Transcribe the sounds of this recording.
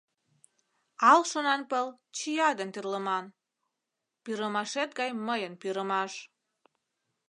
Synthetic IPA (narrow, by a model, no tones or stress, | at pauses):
ɑlʃonɑnpəl | t͡ɕijɑd̪ənt̪irləmɑn | piɾəmɑʃet̪̚ɡɑjməjənpiɾəmɑʃ